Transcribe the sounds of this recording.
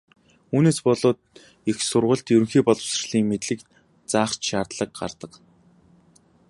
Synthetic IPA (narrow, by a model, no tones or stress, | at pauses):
uːneːspɔɮʊːt̪̚ | ixsʊrʁə̆ɬt̪jɵɾɵ̆ŋxiːpɔɮɞ̆wsə̆rɮiːŋmet̪ɮɘ̆k | t͡saːχt͡ɕʃaːrt̪ɮə̆k̚ɢa̰rt̪ə̆q